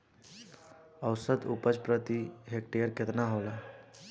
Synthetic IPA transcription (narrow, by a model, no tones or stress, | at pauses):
əwsəd̪ʊpət͡ʃpɾət̪iɦek̚ʈejəɾkɪt̪naɦoːla